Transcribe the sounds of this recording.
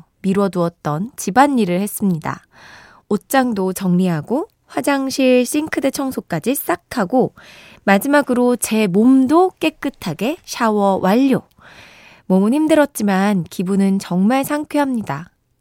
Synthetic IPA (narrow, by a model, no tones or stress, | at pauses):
miɾwʌduʌt̚t͈ʌnt͡ɕibaɲːiɾɯɭhe̞s͈ɯmɲida̰ | ot͡ɕ͈aŋdot͡ɕʌŋɲiɦaɡo | ɸwad͡ʑaŋɕʰiɭɕ͈iŋkʰɯde̞t͡ɕʰʌŋsʰok͈ad͡ʑis͈akʰaɡo | mad͡ʑimaɡɯɾot͡ɕe̞momdok͈e̞k͈ɯtʰaɡe̞ɕʰawʌwʔaʎːo | momɯnhimdɯɾʌt̚t͡ɕ͈imankibunɯnt͡ɕʌŋmaɭsʰaŋkʰeɦamɲida